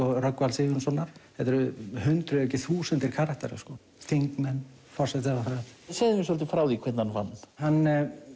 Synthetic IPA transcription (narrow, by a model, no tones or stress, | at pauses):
ɔrœkvalsɪvnsɔnaɾ̥θɛt̪ɛɾʏhʏnt̪ɾʏɛcːɪθuːsɛnt̪ɪɾ̥kʰaːɾahkt̪ɛ̰ɾʏ̰skɔ | θiŋkmɛnː | fɔr̥sɛt̪avafɾasejðɪmɪsɔlt̪̬ɪfɾaːwðikʰvɛt̪nanva̰nːhanː